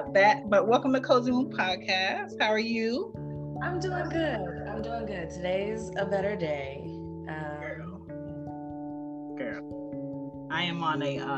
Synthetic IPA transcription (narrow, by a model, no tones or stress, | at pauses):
bɨt̚bʌʔ̚wɛlˠkə̃m̩tʰɨkʰoʊz̃ŋə̃npʰɑd̚kʰæst̚haʊə˞jʉ | ãɪ̃mduɪ̃ŋɡʊdã̰ɪ̃mdʉɪ̃ŋɡʊd̚tʰɨdeɪzɨbɛɾə˞deɪ | ʔʌ | kɛ | aɪɨ̃mə̃nɨʔʌ